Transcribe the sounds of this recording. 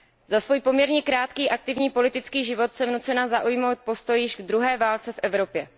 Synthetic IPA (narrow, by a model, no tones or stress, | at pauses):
zasvuːjpomɲɛɾɲɛkɾaːt̪kiːʔak̚t̪ɪvɲiːpo̞lɪt̪ɪt͡skiːʒɪvo̞t̪sɛmnut͡sɛnazaʔujmo̞wt̪̚po̞st̪o̞jɪʒɡd̪ɾuɦɛːvaːlt͡sɛfʔɛvɾo̞pjɛ